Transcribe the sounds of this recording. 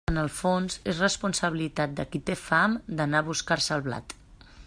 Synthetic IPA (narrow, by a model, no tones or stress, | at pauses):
ənəlˠfonzezrəspunsəβilit̪at̪̚d̪əkit̪efamd̪ənaβuskaɾsəlˠβla̰t̪